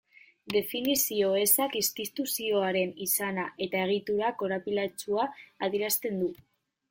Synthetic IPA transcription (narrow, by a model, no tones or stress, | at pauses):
d̪e̞finisio̞e̞sakist̪it̪usio̞aɾe̞nisanaʔe̞t̪ae̞ɣ̞it̪uɾako̞ɾapilat͡ʃuaːð̞iɾast̪e̞nd̪u